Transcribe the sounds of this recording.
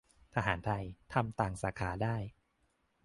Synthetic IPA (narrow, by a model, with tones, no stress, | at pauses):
t̪ʰa˧ɦaː˩˦nt̪ʰa˧jt̪ʰa˧mt̪aː˨˩ŋsaː˩˦kʰaː˩˦daː˥˩j